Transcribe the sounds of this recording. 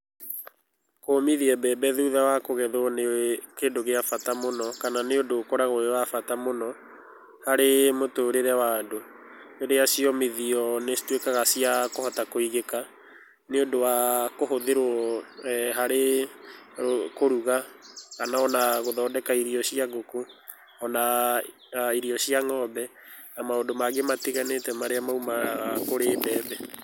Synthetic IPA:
komiðiɛbɛbɛðuːðawakoɣɛðoɔnekedoɣeafatamonɔkananeodokɔɾaɣoewafatamonɔ | haɾemotoːɾeɾɛwado | oɾeasiɔmiðiɔnesi̥twekaɣasiakohatakoiɣeka | neodowakoɦoðeɾwoɔ | ɦaɾe | okoɾuɣakanaɔnaɣoðɔːdɛkaiɾiɔɕiaɡoko | ɔna | iɾiɔɕiaŋɔbɛnamaodomaɡematiɣanetɛmaɾeamaumaɣakoɾeːbɛːbɛ

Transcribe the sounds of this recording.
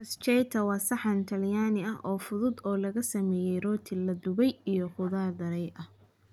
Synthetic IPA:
ɐst͡ʃɛjt̪ʰɐwɑːsɑħɐnt̪ʰɐljaːnɪɐhʔɔːfʊðʊd̪ɔːlɐɣɐsɐmɛːjɛjrɔːt̪ʰɪlɐd̪ʊβɛjijɔχʊðaːrd̪ɐɾɛjʔɐh

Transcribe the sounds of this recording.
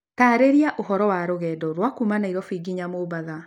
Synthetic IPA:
taːɾeɾiaʔohɔɾɔwaɾoɣɛːdɔɾwakumanaiɾɔfiɡiɲamobaða

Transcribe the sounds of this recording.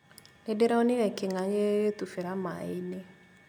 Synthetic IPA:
nedeɾaɔnɪɾɛkeŋaɲeɣetufeɾama̰ine

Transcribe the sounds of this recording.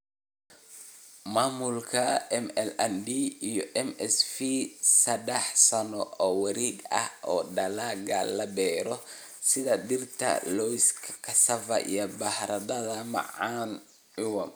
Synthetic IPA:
maːmʊlkʰɐɛmɛlɐnd̪iijɔʔɛmɛsfisɐd̪ɛħsɐnɔʔɔːwɐɾiːɡɐ̰hʔɔːɖɐlaːɡɐ̰lɐbɛːɾɔ | sɪðɐd̪ɪrt̪ʰɐ̰lɔskʰɐ̥kʰɐsɐfɐʔḭjɔbɐhɾɐðɐðɐmɑ̰ʕaːn | ʕʊwɐm

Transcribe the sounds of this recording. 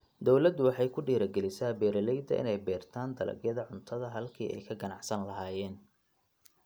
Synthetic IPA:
d̪ɔwlɐd̪ʊwɑħɑjkʰʊɖiːɾɐɡɛlɪsaːbɛːɾɐlɛjd̪ɐ̰ʔɪ̰nɛjbɛːrt̪ʰaːnd̪ɐlɐ̰ɡjɐðɐʕʊnt̪ʰɐðɐɦɐlkʰiːʔɛ̰jkʰɐɡɐnɑʕsɐnlɐɦaːjɛːn

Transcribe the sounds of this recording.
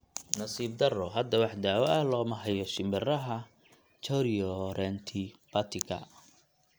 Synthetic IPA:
nɐsiːb̚d̪ɐrɔɦɐd̪ɐwɑħd̪aːwɐɐhlɔːmɐħɛjɔʃɪmbɪrɐɦɐ | t͡ʃʰɔɾiɔɾɛnt̪ʰibɐt̪ʰɪkʰɐ̰

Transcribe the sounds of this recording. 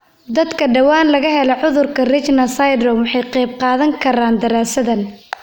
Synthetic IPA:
d̪ɐd̪kʰɐɖɐwaːnlɐɣɐɦɛlɔʕʊðʊrkʰɐrɛt͡ʃnɐlsajd̪rɔmwɑħɑjqɑjb̚qɑːðɐŋkʰɐɾaːnd̪ɐɾaːsɐðɐn

